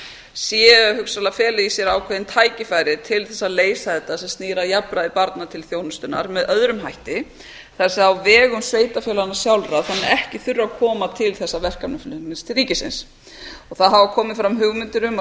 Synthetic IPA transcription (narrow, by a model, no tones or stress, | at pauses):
sjɛhʏksalafɛːlɪisjɛɾaːwkʰvɛðɪnt̪ʰaːjcɪfajɾɪt̪ʰɪlθɛsːaleːjsaɛt̪asɛmst̪niːɾajapɾaðɪpaɾt̪nat̪ʰɪlθjownʏst̪ʏna̰ɾmɛðœðɾʏmɦajht̪ɪ | θḁsɛawvɛːɣʏmsveːjt̪afjœːlanːḁsjawlɾaθanːɪɾɛhcɪθʏrːakʰɔːmat̪ʰɪlθɛsːavɛr̥kamnʏflʏɪnst̪ʰɪlriːcɪsɪ̰ns | ɔɣθaðɦavakʰɔːmɪfɾamɦʏɣmɪnt̪ʏɾʏm